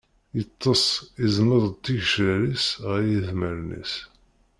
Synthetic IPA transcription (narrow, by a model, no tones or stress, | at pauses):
jət̪ˤːɑsˤiznəðˤt̪ːiʝʃəɾisʁjiθməɾnḭs